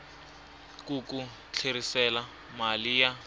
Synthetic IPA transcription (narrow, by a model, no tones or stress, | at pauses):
kuku | t͡ɬʰerisɛla | malija